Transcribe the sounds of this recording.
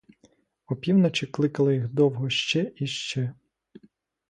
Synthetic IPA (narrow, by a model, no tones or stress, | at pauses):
ɔpʲiwnɐt͡ʃɪklˠɪkɐlˠɪjixd̪ɔwɦɔʃt͡ʃɛʔiʃt͡ʃɛ